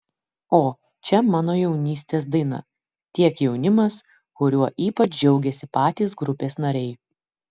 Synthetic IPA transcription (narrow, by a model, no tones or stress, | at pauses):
oː | t͡ʃʲɛmɑːnoːjɛʊnʲiːsʲt̪ʲeːsd̪ɐɪnɐ̰ | t̪ʲiɛkjɛʊnʲɪmɐs | kʊɾʲuɔʔiːpɐt͡ʃʲd͡ʒʲɛʊɡʲɛsʲɪpɑːt̪ʲiːsɡɾʊpʲeːsnɐɾʲɛɪ